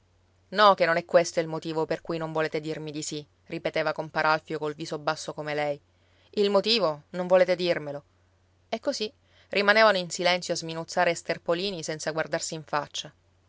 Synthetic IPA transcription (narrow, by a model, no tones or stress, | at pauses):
nɔkenːonɛkːwest̪oilmot̪iːvoperkujnoɱvoleːt̪ed̪irmid̪isi | ripet̪eːvakompaɾalfjokolviːzobːasːokomelɛj | ilmot̪iːvonõɱvoleːt̪ed̪irmelo | ɛkːosi | rʔimaneːvanoinsilɛnt̪sjoazminut̪sːaːɾest̪erpoliːnisɛnt̪saɡward̪arsiːɱfat͡ʃːa